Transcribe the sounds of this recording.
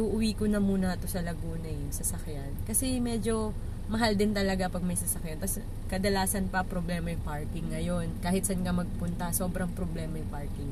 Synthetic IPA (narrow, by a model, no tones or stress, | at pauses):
uʔʊwiːkonɐmuːnɐɐt̪osɐlɐɡuːnɐjŋsɐsɐkjankɐsɛmɛd͡ʒo̞ | mɐɦald̪ɪnt̪ɐlɐɡapɐɡ̚mɐjsɐsɐkjant̪ɐs | kɐd̪ɐlaːsɐnpɐpɾoblɛːmɐjpaɹkɪŋːɐjo̞nkaːhɪt̪̚sɐnkɐmɐɡ̚pʊnt̪ɐsoːbɾɐŋpɾoblɛːmɐjpaɹkɪŋ